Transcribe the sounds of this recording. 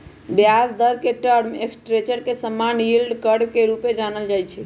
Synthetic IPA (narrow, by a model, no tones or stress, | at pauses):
bjasd̪əɾkeʈəɾmeksʈɾet͡ʃəɾkesəmːanjilɖkəɽkeɾuped͡ʒanəld͡ʒajt͡ʃʰɛ